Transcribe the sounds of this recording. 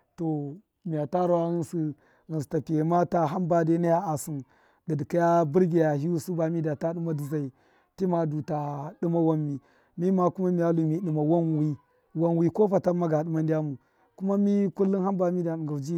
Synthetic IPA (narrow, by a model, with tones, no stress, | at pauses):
to˨ | mi˨ja˨ta˦ɾa˦wa˦ɣi˦nsi˦ | ɣi˨nsi˨ta˨pi˨je˨ma˦ta˦ɦa˦mba˦de˦na˦ja˦a˨si˨n | di˨dka˦ja˦bu˦ɾɡʲi˨ja˨ɦi˦wu˦su˦ba˨mi˦da˨ta˦ɗu˦ma˦di˨za˨i˨ | ti˦ma˨du˨ta˨ɗu˦ma˦wa˦mːi˨ | mi˦ma˨ku˦ma˦mi˨ja˦lu˨mi˨˦ɗi˨ma˨wa˦nwi˦ | wa˦nwi˨ko˦fa˨ta˦ma˦ɡa˨ɗu˦ma˦ndi˦ja˦mu˨ | ku˦ma˦mi˦ku˦lːu˦nha˦mba˨mi˦da˨ɗɡa˨d͡ʒi˦